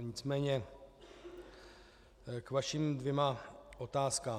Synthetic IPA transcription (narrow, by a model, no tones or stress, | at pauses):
ɲɪt͡smɛːɲɛ | kvaʃimdvjɛmaʔot̪aːskaː